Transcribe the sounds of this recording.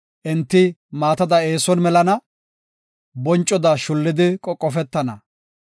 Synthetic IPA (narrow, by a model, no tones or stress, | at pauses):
ʔɪnt̪ːɪmaːt̪ɐd̪ɐe̞ːsɔnmɛlɐnɐ | bɔnt͡ʃʼːɔd̪ɐʃʊlːɪd̪ɪkʼɔkʼːɔfɛt̪ːɐnɐ̰